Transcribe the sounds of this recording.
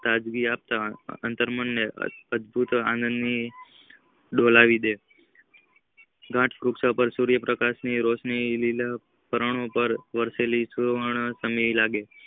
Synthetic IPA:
t̪ad͡ʒɡiap̚t̪aə̰nt̪əɾmənːḛəd̪bʱut̪ã̰nənd̪ni | ɖolaʋid̪e | ɡʱãʈʰfɾuksapəɾsuɾjəpɾəkaʃniɾosnilila | pəɾəɳ̃õpəɾʋəɾselisuɾʋaɳ̃asəmilaɡe

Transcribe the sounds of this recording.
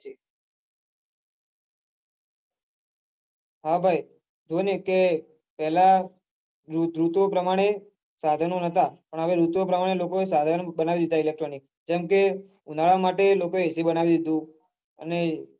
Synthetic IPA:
d͡ʒ | ɦabʱaj | d͡ʒoneke | pɛɦla | ɾuɾut̪opɾəmaɽ̃e | sad̪ʱənonət̪apəɳəʋeɾut̪opɾəmaɽ̃elokoesad̪ʱənobənaʋid̪id̪ʱailek̚ʈɾonik̚ | d͡ʒɛmke | unaɭamaʈelokoeesibənaʋid̪id̪ũ | ə̰ne

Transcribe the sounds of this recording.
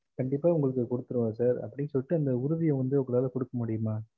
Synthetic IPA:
kɐɳɖɪpːaːʊŋɡɐɭɯkːɯkɔɽɯt̪ːɯɾɯʋaːsaːɾɐ̰pːɐɽɪsɔlːɪʈːɯɐnd̪ɐʊɾʊðɪjɐ̃ʋɐnd̪ɯɔŋɡɐlaːlɐkɔɽɯkːɐmʊɽɪjɯmaː

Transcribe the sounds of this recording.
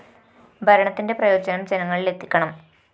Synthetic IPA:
bʱɐɾɐɳɐt̪ːinde̞prɐjo̞ːd͡ʑɐnɐmd͡ʑe̞nɐŋːɐɭile̞t̪ːikʲːɐɳɐm

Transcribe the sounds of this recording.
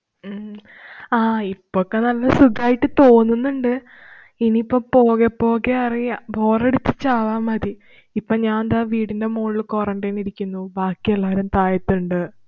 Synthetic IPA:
aːipːokːe̞nɐlːɐsuɡaːjiʈːɨt̪o̞ːnːunːuɳɖɨ | iniːpːopo̞ːɣepːo̞ːɣeɐribo̞ːreɽut̪ːit͡ɕːaːʋaːmɐd̪i | ipːoɲaːnnd̪aːʋiːɽinde̞moːɭːɨkoːrɐnɖɐjniɾikʲːunːubaːkːielːaːɾɐmt̪aːjɐt̪ːuɳɖɨ

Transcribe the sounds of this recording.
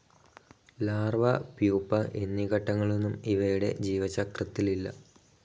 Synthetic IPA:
laːrʋɐpjuːpːɐʔe̞nːikɐʈːɐŋːɐɭenːumiʋɐjuɽe̞̰d͡ʑiːʋɐt͡ɕɐkrɐt̪ːililːɐ̰

